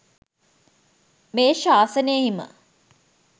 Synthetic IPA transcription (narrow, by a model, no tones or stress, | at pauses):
meːʃaːsəneimə̰